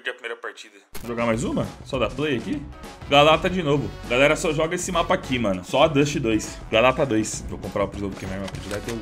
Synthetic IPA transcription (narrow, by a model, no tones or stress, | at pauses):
kɛɐpɾimeɾɐpaɾt͡ʃid̪ɐʒoɡamajzũmɐsɔd̪aplejakiɡalat̪ɐd͡ʒɪnovʊɡalɛɾɐsɔʒɔɡɐesɪmapɐaːkimɐ̃nʊsɔad̪ɐʃɪd̪ojs | ɡalat̪ɐd̪ojsvowkõmpɾaʊpɾizowd̪ʊkẽmɛmɐpaɾt͡ʃid̪ak̪ew